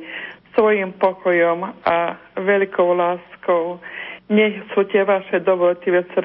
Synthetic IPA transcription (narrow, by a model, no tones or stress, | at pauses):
sʋɔjimpɔkʰɔjɔmaʋɛʎkʰɔʊlaːskɔʊɲɛxsut̪ɪɛʋaʃɛd̪ɔʋɔlt̪iʋɛsɾ